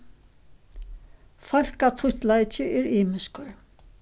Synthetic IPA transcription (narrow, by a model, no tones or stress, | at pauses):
fal̥kat̪ʰʊht̪lajt͡ɕɪʔɛɾiːmɪskaɹ